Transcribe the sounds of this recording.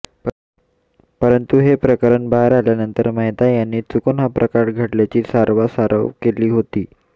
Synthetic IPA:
pəɾənt̪uɦepɾəkəɾəɳbaɾaljanənt̪əɾmaɦjt̪ajanːiːt͡sukonɦapɾʔəkaɾɡʱəʈljat͡ɕiːsaɾʋasaɾə̰ʋkeliːɦot̪iː

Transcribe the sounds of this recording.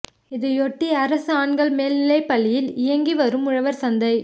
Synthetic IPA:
ɪðɯɔʈːiɐɾɐsɯaːɳɡɐɭmeːlnɪlɐɪpːɐɭːɪjɪlɪjɐŋɡiʋɐɾɯmʊɻɐʋɐɾsɐnd̪ɐɪ

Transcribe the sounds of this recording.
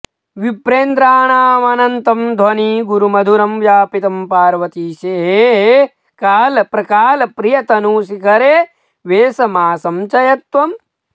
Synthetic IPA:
ʋipɾeːnd̪ɾaːɳaːɐmɐnɐnt̪ɐmd̪ʱwɐniːɡuɾumɐd̪ʱuɾɐmʋjaːpit̪ɐmpaːɾʋɐt̪iːʃeːɦeːɦe | kaːlɐpɾɐkaːlɐpɾijɐt̪ɐnuːsikɐɾeː | ʋeːsɐmaːsɐmt͡ʃɐjɐt̪ʋɐm

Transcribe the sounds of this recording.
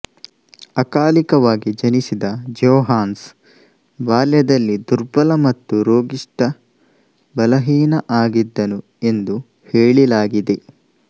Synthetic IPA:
ɐkaːlikɐʋaːɡid͡ʒɐnisid̪ɐd͡ʒoːɦaːns | ʋaːljɐd̪ɐlːid̪uɾbɐlɐmɐt̪ːuɾoːɡiʂʈɐ | bɐlɐɦiːnɐʔaːɡid̪ːɐnu | e̞nd̪u | heːɭilaːɡid̪e̞

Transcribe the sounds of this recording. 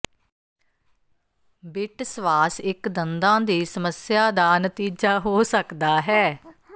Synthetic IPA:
bɪʈsʋaːsɪkd̪ənd̪ãːd̪iːsəməsjaːd̪aːnət̪iːd͡ʒaːɦoːsəkd̪aːɦɛː

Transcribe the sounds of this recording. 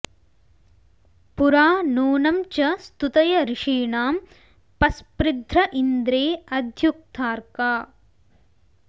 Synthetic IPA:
puɾaːnuːnɐmt͡ʃɐst̪ut̪ɐjɐɾɪʂiːɳaːm | pɐspɾɪd̪ʱɾɐʔind̪ɾeːɐd̪ʱjuk̚t̪ʰaːɾkaː

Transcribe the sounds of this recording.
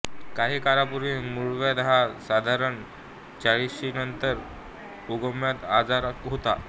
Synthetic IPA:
kaɦiːkaɾapuɾimuɭʋjad̪ɦasad̪ʱaɾəɳ | t͡ɕaɭisɕinənt̪əɾ | uɡəmjat̪ad͡zaɾɦot̪a̰

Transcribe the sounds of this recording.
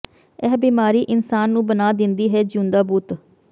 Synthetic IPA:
ɛːbiːmaːɾiːʔɪnsaːnːũːbənaːd̪ɪnd̪iːɦɛːd͡ʒũːnd̪aːbuːt̪

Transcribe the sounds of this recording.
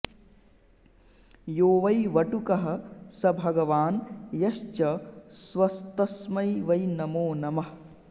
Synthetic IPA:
joːʋɐjʋɐʈukɐɦɐ̆sɐbʱɐɡɐʋaːnjɐʃt͡ʃɐsʋɐst̪ɐsmɐjʋɐjnɐmoːnɐmɐɦ

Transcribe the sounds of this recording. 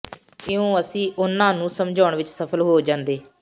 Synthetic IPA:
ɪõːəsĩːʔʊnãːnũːsəmd͡ʒʱaːɳʋɪt͡ʃsəpʰəlɦoːd͡ʒãːnd̪eː

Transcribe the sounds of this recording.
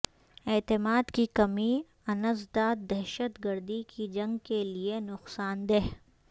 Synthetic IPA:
ɛːt̪ɪmaːd̪kikɐmi | ɐnəzd̪aːt̪̚d̪ɛɦʃət̪ɡəɾd̪ikʰid͡ʒɐ̃ŋɡkelienʊqsaːnd̪eɦ

